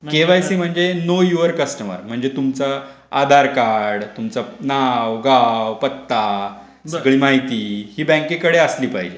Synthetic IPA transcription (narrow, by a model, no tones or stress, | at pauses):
keʋajsiːm̤əɳd͡zenojuəɾkəsʈəmə̰ɾm̤əɳd͡zet̪umt͡sa | a̰d̪ʱaɾkaɽt̪umt͡sanawʋɡawpət̪ːa | səɡɭiːmaɦit̪iːhiːbɛ̃ŋkekəɽeəsliːpaɦid͡ʑe